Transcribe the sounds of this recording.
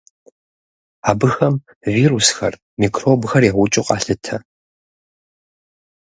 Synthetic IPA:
aːbɨxɐm | viːrusxɐ̰r | miːkʰroːbxɐrjaʁʷʊt͡ʃʼɪqʼɑ̰ːɬɨtʰɐ

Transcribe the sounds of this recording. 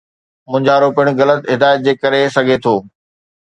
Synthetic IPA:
mʊ̃ɦɪ̃ɲd͡ʑaːɾoːpiʊɽ̃ʊɣɐlət̪ɦɪd̪aːɪət̪̚d͡ʑeːkɐɾesɐɡʱet̪ʰoː

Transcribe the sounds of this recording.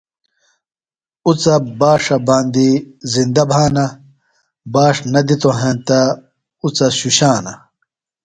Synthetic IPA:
ut͡sɐbaːʂɐbãːnd̪izind̪ɐbʱaːnɐ | baːʂnɐd̪it̪oɦẽːnt̪ɐ | ut͡sɐɕuɕaːnɐ

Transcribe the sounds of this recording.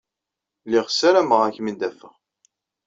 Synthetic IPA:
liʁsæɾæməʁæçmind̪æfəʁ

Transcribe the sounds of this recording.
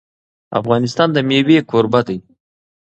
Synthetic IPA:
a̰fɣɑnɪst̪ɑnd̪əmewekʰoɾbad̪aj

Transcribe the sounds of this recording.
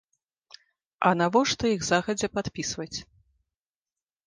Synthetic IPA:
ɐ̰navɔʂt̪ɔjiɣzaɣɐd͡zʲɛpat̪pʲisvɐt͡sʲ

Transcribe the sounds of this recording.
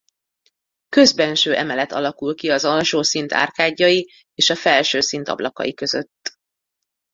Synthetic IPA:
kø̞zbɛnʃøːʔɛmɛlɛt̪ɒ̰lɒkulkiɒzɒlʃoːsint̪ʰa̰ːrkaːɟːɒji | eːʃɒfɛlʃøːsint̪ɒ̰blɒ̰kɒ̰jikø̞zø̰t̪ː

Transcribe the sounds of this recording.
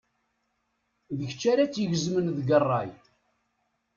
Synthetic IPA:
ðəçt͡ʃːaɾat͡sːjəʝəzmənðɡərˤːɑj

